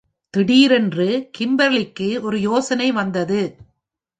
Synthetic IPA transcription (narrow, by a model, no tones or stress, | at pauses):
t̪ɪɽiːɾɛndrɯkɪmbɐɾɭɪkːɯɔɾɯjoːsɐnɐɪʋɐnd̪ɐðɯ